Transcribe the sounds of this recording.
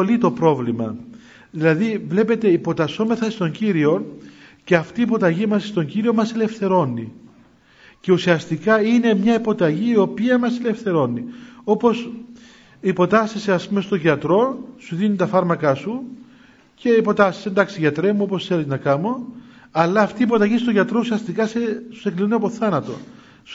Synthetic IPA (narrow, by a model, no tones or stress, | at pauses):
lit̪o̞pɾo̞vlimɐ̰ | ðilɐðivle̞pe̞t̪e̞ipo̞t̪ɐso̞me̞θɐist̪o̞ɲɟiɾio̞nce̞ɐft̪iːpo̞t̪ɐʝimɐsi̥st̪o̞ɲɟiɾio̞mɐsele̞fθe̞ɾo̞nːi | ce̞usiɐst̪ikɐine̞mɲɐipo̞t̪ɐʝiːo̞piɐmɐsele̞fθe̞ɾo̞nːio̞po̞s | ipo̞t̪ɐseseɐspume̞st̪o̞ʝɐt̪ɾo̞suðinit̪ɐfɐɾmɐkɐsu | ce̞ipo̞t̪ɐsesend̪ɐksiʝɐt̪ɾemːuo̞po̞sθe̞leznɐkɐmo̞ | ɐlːɐːft̪iːpo̞t̪ɐʝist̪oʝɐt̪ɾo̞usiɐst̪ikɐsesu̥seklinuɐpoθɐnɐt̪o̞̰